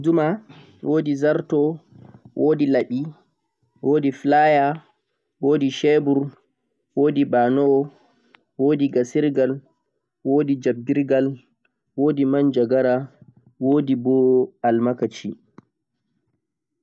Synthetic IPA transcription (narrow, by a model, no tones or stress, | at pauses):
duma | wʔoːdizaɾtɔ | wʔoːdilaɓi | woːdiflaja | woːdiʃebuɾ | woːdibanɔ | woːdiɡasiɾɡal | woːdid͡ʒabːiɾɡal | woːdimand͡ʒaɡaɾa | woːdibɔalmakat͡ʃi